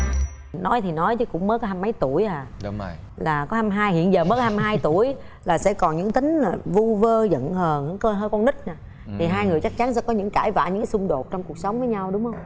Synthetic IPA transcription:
nɔ˨˦jt̪ʰi˨˩nɔ˨˦jt͡ɕɨ˨˦kʊ̰˧˥ŋ͡mməː˨˦˥kɔ˨˦ha˧mːa˨˦jt̪u˧˩əjaː˨˩˧ | laː˨˩kɔ˨˦ha˧mɦaː˧jhḭ˧˨ənzəː˨˩məː˨˦jkɔ˦ha˧mɦaː˧jt̪u˧˩əj | laː˨˩sɛ̰˧˥kɔ˨˩nɲɨ̰˧˥ŋt̪ï˨˦ŋ̟laː˨˩vu˧vəː˧zə̰˧˨nhəː˨˩nɨ̰˧˥kəː˧ɦəː˧jkɔ˧nɗï˦˥k̟̚naː˨˩ | t̪ʰi˨˩ɦaː˧jŋɨ˨˩əjt͡ɕk̚t͡ɕa˨˦nsɛ̰˧˥kɔ˨˦ɲɨ̰˧˥ŋkaː˧˩jva̰ː˧˨ɲɨ˧˥kːaː˨˦sʊ˧ŋ͡mɗo˨˩t̚t͡ɕɔ˧wŋ͡mku˨˩ək̚sə˨˦wŋ͡mvəː˨˦jɲa˧wɗʊ˨˦ŋ͡mhə˧wŋ͡m

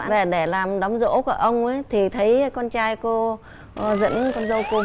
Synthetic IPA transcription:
ve˨˩ɗe˧˩laː˨˩mɗɔ˨˦ŋ͡mzo̰˧˥ka˧˩ʔə˧wŋ͡mə˨˦jt̪ʰi˨˩t̪ʰə˨˦jkɔ˧nt͡ɕaː˧jko˧˨ | zə̰˧˥nkɔ˧nzə˧wko˧

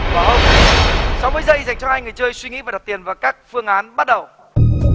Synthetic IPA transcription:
vaː˨˩ɦə˧wŋ͡m | sɔ˧˦wvəː˨˦zəː˧˨za˨˩ŋ̟t͡ɕɔ˧ŋ͡mhaː˧jŋɨ˨˩əjt͡ɕəː˧jswi˧ŋḭ˧˥vaː˨˩ɗa˨˩t̪i˨˩ənvaː˨˩wkaː˦˥k̚fɨ˧əŋʔaː˨˦nɓa˦˥t̚ɗə˨˩w

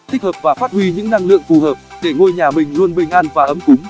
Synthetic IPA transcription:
t̪ï˦˥həː˨˩p̚vaː˨˩faː˦˥t̚hwi˧ɲɨ̰˧˥ŋna˧ŋlɨ̰˧˨əŋfu˨˩ɦəː˨˩p̚ɗe˧˩ŋo˧jɲaː˨˩mï˨˩ŋ̟zu˧ənɓï˧˩ŋ̟ʔaː˧nvaː˨˩ʔə˨˦mkʊ˨˦ŋ͡m

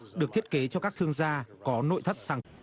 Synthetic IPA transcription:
ɗɨ˨˩ək̚t̪i˦˥ət̚ke˨˦t͡ɕɔ˧kaː˦˥k̚t̪ʰɨ˧əŋzaː˧kɔ˨˦no̰˧˨jt̪ʰə˦˥t̚saː˨˩

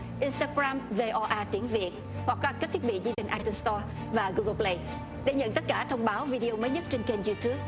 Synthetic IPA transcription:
ʔi˧nst̪aː˧ɣɾaː˧mve˧ʔɔ˧ʔaː˧t̪i˨˦ənvi˨˩ət̚ | hwa˨˩k̚kaː˦˥kə˦˥t̪̚ʰi˦˥t̚ɓḭ˧˨zi˧ɗï˨˩ŋʔaː˧jt̪u˧mst̪ɔ˧ | vaː˨˩ɣu˧ɣə˧˦ple˧j | ɗe˧˩ɲə̰˧˨nt̪ə˦˥t̚kaː˧˩t̪ʰə˧wŋ͡mɓaː˨˦wvi˧ɗi˧o˧məː˨˦jɲə˦˥t̚t͡ɕe˧nke˧nzu˧t̪ʰu˦˥p̚

